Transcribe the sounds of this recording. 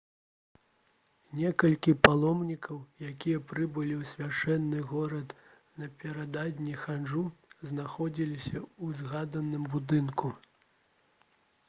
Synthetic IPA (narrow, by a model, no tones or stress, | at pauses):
nʲɛkɐlʲkʲipalˠɔmnʲikʰɐwjakʲijɐpɾɨbɨlʲiwsʲvʲat͡ʂɛnːɨɣɔɾɐt̪ | nɐpʲɛɾad̪ad̪ʲnʲixanʐuznaxɔd͡zʲilʲisʲɐuzɣad̪ɐnɨmbud̪ɨnku